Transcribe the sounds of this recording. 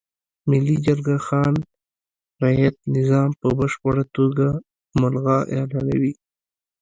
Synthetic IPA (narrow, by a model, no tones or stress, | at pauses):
mɪlid͡ʒaɾɡaxɑn | ɾajat̪̚nɪzɑmpəbəʂpəɽat̪oɡa | mʊlɣɑʔelɑnawi